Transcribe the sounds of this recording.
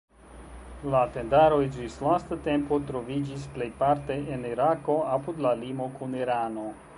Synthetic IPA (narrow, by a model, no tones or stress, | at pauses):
late̞ndaɾo̞ed͡ʒislastate̞mpo̞tɾo̞vid͡ʒisple̞jpaɾte̞eniɾako̞apud̪lalimo̞kuniɾano̞